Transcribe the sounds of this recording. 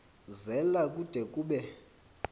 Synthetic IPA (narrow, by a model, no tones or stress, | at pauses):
zɛlakʼud̥ʱɛkʼuːɓɛ